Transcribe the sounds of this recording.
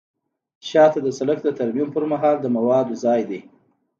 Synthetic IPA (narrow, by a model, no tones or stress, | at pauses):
ʃɑt̪ad̪əsalakd̪ət̪aɾmimpəɾmaɦɑld̪əmawɑd̪ozɑjd̪e